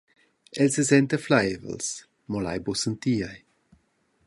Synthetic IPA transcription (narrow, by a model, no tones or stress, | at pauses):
ɛlsəzɛntəflajvə̰ls | mɔla̰jbusənt̪iːj